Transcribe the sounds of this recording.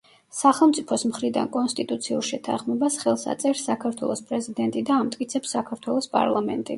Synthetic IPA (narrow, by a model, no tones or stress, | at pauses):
saχɛlˠmt̪sʼipʰɔsmχɾid̪a̰nkʼɔnst̪ʼit̪ʼut̪sʰiuɾˠʃɛt̪ʰa̰χmɛbasχɛlˠsa̰t̪sʼɛɾsakʰaɾt̪ʰwɛ̰lˠɔspʼɾɛzid̪ɛnt̪ʼid̪aːmt̪ʼkʼit̪sʰɛpsːakʰaɾt̪ʰwɛlˠɔspʼa̰ɾlˠamɛnt̪ʼi